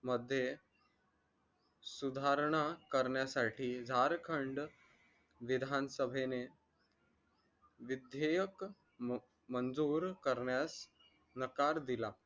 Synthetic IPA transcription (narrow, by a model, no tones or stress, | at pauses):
məd̪ʱːje | sud̪ʱaɾɳ̃akəɾɳjasaʈʰiːd͡zʱaɾkʰəɳɖ | ʋid̪ʱansəbʱene | ʋid̪ʱjejək | mənd͡zuːɾkəɾɳjas | nəkaɾd̪ila